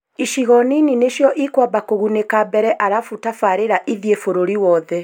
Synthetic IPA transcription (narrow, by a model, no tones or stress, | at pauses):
iʃiɣɔninineʃjɔʔikwabakoɣunekabɛɾɛʔaɾafutafaɾeɾaʔiðiefoɾoɾiwɔːðɛ